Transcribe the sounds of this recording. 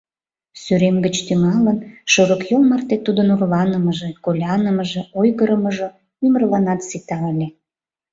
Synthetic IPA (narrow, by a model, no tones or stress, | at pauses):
syɾemɡət͡ɕt̪ymɑlənʃoɾəkjolmɑrt̪et̪ud̪ənurlɑnəməʒekolʲɑnəməʒeojɣəɾəməʒŏ | ymərlɑnɑt̪sit̪ɑəlʲe